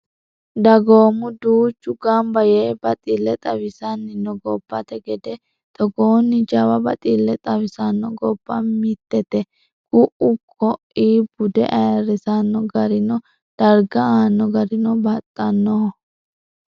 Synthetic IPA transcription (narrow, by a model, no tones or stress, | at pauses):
d̪ɐɡoːmʊd̪uːt͡ʃːʊɡɐmbɐjeːbɐt̪ʼilːɛt̪ʼɐwɪsɐnːɪnɔɡɔbːɐt̪ɛɡɛd̪ɛ | t̪ɔɡoːnːɪd͡ʒɐwɐbɐt̪ʼilːɛt̪ʼɐwɪsɐnːɔɡɔb̥ːɐmɪt̪ːɛt̪ɛ | ɡʊʔʊkʰɔʔiːbʊd̪ɛ̰ʔɐjɐɾɛsɐnːɔɡɐɾɪnɔ | d̪̥ɐɾɡɐaːnːɔɡɐɾɪnɔbɐt̪ʼːɐnːɔhɔ